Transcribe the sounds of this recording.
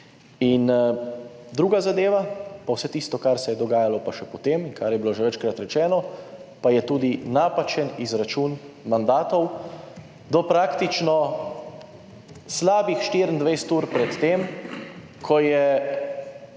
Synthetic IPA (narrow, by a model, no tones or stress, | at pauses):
in | d̪ɾuːɡazad̪eːʋapawsɛt̪ist̪ɔkaɾsɛjɛd̪ɔɡaːjalɔpaʃɛpɔt̪eminkaɾjɛbiloʒɛʋɛt͡ʃkɾat̪ɾɛt͡ʃɛːnɔpajɛt̪uːd̪inaːpat͡ʃɛnizɾat͡ʃuːn | mand̪aːt̪ɔw | d̪ɔpɾaːkt̪it͡ʃnɔ | slaːbixʃt̪iːɾənd̪ʋɛjst̪uːɾpɾɛt̪ːeːm | kʰɔjɛ